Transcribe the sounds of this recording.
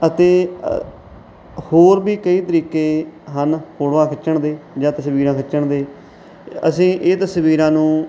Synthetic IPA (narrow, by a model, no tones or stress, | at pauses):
ət̪eː | hoːɾbiːkəiːt̪əɾiːkeːɦənhʰoːɽʋãːkʰət͡ʃəɳd̪eːd͡ʒãːt̪əsʋiːɾãːkʰət͡ʃəɳd̪eː | ə̰sĩːʔeːt̪əsʋiːɾãːnũː